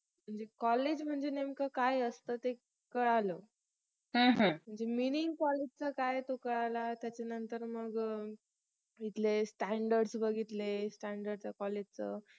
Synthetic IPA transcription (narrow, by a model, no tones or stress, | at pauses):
m̤əɳd͡zekɔled͡ʑm̤əɳd͡zenemkakajəst̪ət̪e | kəɽalə | ɦə̃ɦə̃m̤əɳd͡zeminiŋkɔled͡ʑt͡səkajt̪okəɽalat̪jat͡ɕanənt̪əɾməɡ | it̪lesʈæɳɖəɾɖsbəɡʱit̪lesʈæɳɖəɾɖt͡səkɔled͡ʑt͡sə